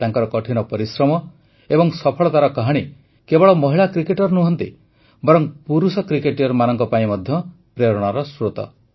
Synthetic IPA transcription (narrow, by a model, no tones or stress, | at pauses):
t̪aŋkɔɾɔkɔʈʰinɔpɔɾisɾɔmɔ | ebɔŋsɔpʰɔɭɔt̪aɾɔkaɦaɽ̃i | kebɔɭɔmɔɦiɭakɾikeʈɔɾnuɦɔnt̪ḭ | bɔɾɔŋpuɾusɔkɾikeʈiɔɾmanɔŋkɔpaĩmɔd̪ʱjɔ | pɾeɾɔɽ̃ɔɾɔsɾot̪ɔ̰